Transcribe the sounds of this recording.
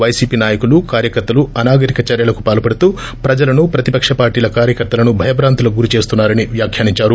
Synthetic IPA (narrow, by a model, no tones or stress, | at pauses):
ʋɐjsiːpiːnaːjɐkulukaːɾjɐkɐɾt̪ɐluɐnaːɡɐɾikɐt͡ʃɐːɾjɐlɐku̥paːlɐpɐɽut̪uː | pɾɐd͡ʒɐlɐnupɾɐt̪ipɐkʂɐpaːɾʈiːlɐkaːɾjɐkɐɾt̪ɐlɐnubʱɐjɐbɾaːnt̪ɐlɐɡuɾit͡ʃe̞ːst̪unːaːɾɐniʋjaːkʰjaːniɲt͡ʃaːɾu